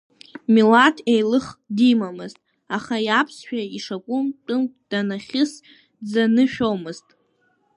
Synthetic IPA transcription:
milatʰejlɨχdimamɨztʼ | aχajapʰsʃᶣaiʂakʷʼʊmtʼɨmd̥anaχʲɪs | d͡zanɨʃᶣomɨztʼ

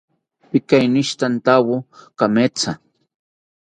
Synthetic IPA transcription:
pikainiʃt̪ant̪awokamet͡sa

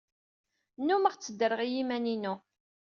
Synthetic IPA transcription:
nːuməʁt͡sːəd̪ːəɾəʁijimæninu

